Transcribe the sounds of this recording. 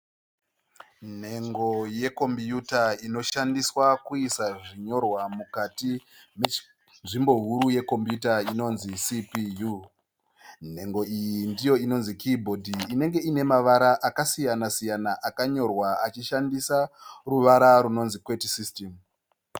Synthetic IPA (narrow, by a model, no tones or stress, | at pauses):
n̤e̞ŋɡo̞je̞ko̞mpjutaino̞ʃandiswakuisaʐiɲo̞rwamukati | m | nʐimbo̞ɦuɾuje̞ko̞mpjutaino̞nzisipiju | n̤e̞ŋɡo̞ijindijo̞ino̞nzikʰibʱo̞dʱiːne̞ŋɡe̞ine̞maʋaɾaʔakasijanasijanaʔakaɲo̞rwaat͡ʃiʃandisaruʋaɾaɾuno̞nzikwetisistem